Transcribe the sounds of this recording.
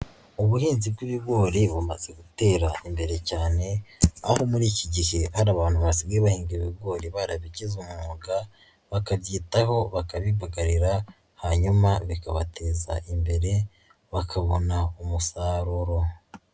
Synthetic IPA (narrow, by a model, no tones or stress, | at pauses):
uβuhiːnzib̚ɡiβiɡo̞ːɾiβumaz̥e̞ɡute̞ːɾaimbe̞ɾe̞caːne̞aho̞muɾiːciɟihe̞haɾaːβaːn̥huβasiɡeβahiːŋɡiiβiɡo̞ːɾiβaɾaβiɟizumuɡa | βakaβɟiːtaɦo̞βakaβiβaɡaɾiɾa | haɲumaβikaβatʰe̞ːza̰ʔimbe̞ɾe̞ | βakʰaβo̞naumusaːɾuɾo̞